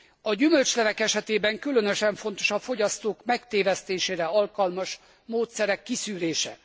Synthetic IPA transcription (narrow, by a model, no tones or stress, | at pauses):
ɒɟymø̞lt͡ʃlɛvɛkɛʃɛt̪eːbɛŋkylø̞nø̞ʃɛɱfon̪t̪o̞ʃɒfo̞ɟɒst̪oːkmɛkt̪eːvɛst̪eːʃeːɾɛɒlkɒlmɒʃ | moːt̪sɛɾɛkːisyːɾeːʃɛ